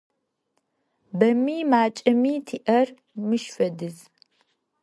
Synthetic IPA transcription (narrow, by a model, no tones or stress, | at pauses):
bɐmiːmaːt͡ʃʼɐmiːtʰiːʔɐr | mɨʃfɐdɨz